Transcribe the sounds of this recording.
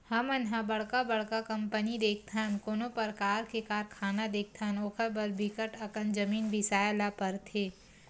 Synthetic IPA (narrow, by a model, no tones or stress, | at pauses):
hɐmɐnɦãbɐɽ̤kabɐɽ̤kakɐ̃mpənid̪eːk̚ʰt̪ʰankoːnõpɐɾkaːɾkekaːɾkʰaːnad̪eːk̚ʰt̪ʰanoːkʰəɾbɐɾbɪkəʈɐkənd͡ʒɐmiːnbʱisaːjlapɐɾt̪ʰeː